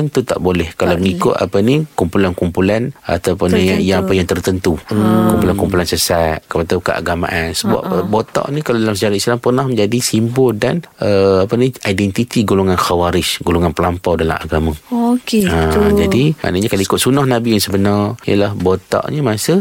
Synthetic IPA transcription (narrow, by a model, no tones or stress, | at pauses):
ənt̪ut̪a̰ʔbolɛhkalaməŋikʊ̰t̪a̰pənikumpulankumpulana̰t̪awpunijaŋapajaŋt̪ərt̪ənt̪ukumpulankumpulansəsat̪̚kəpat̪awkəʔa̰ɡamã̰ʔansəba̰pbot̪ɔ̰ʔnikaladalamsəd͡ʒaɾat̪̚islampərnahmə̃ɲd͡ʒadisimbʊldanəapəniajdɛnt̪it̪iɡuloŋanxawaɾɪsɡuluŋanpəlampawdala̰maɡamãokead͡ʒadima̰ʔnaʔɲakalaikʊt̪̚sunahnãbijaŋsəbənarijə̰lahbot̪ɔ̰ʔɲəmasə